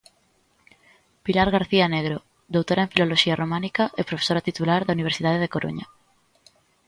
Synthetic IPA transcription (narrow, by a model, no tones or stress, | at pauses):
pilaɾɣ̞aɾθianeɣ̞ɾo | d̪owt̪oɾaẽɱfiloloʃiaromãnikaʔepɾofe̥soɾat̪it̪ulaɾðauniβ̞eɾsiðaðeð̞ekoɾʔṵɲa